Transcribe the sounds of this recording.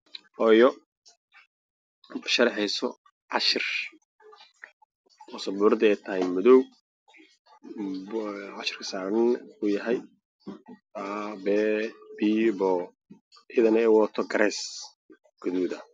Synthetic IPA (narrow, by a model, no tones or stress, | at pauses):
ʔɔjɔ | bʊʃɐɾħɛjsɔ | ʕɑʃɪr | ɔsɐbuːɾɐðɪɛjt̪ʰɐɦɛjmʊðɔw | ʕɑʃɪ̥rkʰɐ̥saːɾɐnʊjɐɦɛj | aːbɛbiːbɔ | ʔɪðɐnɛɛwɔt̪ʰɔɡɐɾɛs | ɡ̥ʊðuːðɐ